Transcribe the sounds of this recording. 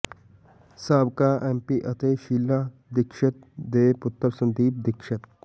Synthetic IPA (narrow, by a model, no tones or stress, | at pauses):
saːbkaːʔempiːʔɐt̪eːʃiːlːa | d̪ɪkʃət̪̚d̪eːpʊt̪ːəɾsɐ̃nd̪iːb̚d̪ɪkʃət̪̚